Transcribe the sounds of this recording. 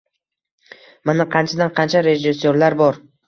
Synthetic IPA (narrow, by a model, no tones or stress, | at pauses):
manaqʰɑnt͡ʃʰad̪anqʰɑnt͡ʃʰaɾe̞ʒɪsːoɾlaɾbɒɾ